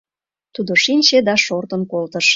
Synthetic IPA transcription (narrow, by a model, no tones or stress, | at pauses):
t̪ud̪oʃinʲt͡ɕed̪ɑʃort̪ə̆nkolt̪əʃ